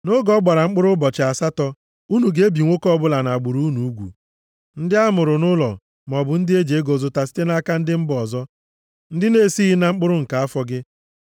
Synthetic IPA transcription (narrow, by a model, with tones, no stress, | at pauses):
nʊ˦ɡɔ˦ɡ͡ba˨ɾa˨ŋ͡m̩˦k͡pʊ˦ɾʊ˦bɔ˨t͡ʃɪ˨a˨sa˦tɔ˦ | u˦nu˨ɡe˦bi˨ŋʷo˦kɔ˦bʊ˦la˨na˨a˨ɡ͡bu˨ɾu˦nu˨u˦ɡʷṵ˨ | n̩˦dɪ˦a˦mʊ˨ɾʊ˨nʊ˦lɔ˨ | m˨ɔ˨bʊ˨n̩˦dɪ˦e˦d͡ʒe˨e˦ɡo˨zʊ˨ta˨si̥˦te˦na˦ka˦n̩˦dɪ˦m̩˦bɔ˨zɔ˦ | n̩˦dɪ˦ne˦˨si˦ɣɪ˦na˨ŋ͡m̩˦k͡pʊ˦ɾʊ˦ŋ̩˨ka˨a˦fɔ˦ɡɪ˦